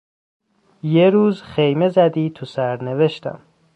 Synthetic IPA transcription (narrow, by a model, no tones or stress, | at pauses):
jeɾuːzxejme̞zæd̪iːt̪ʰusæɾneve̞ʃt̪æ̰m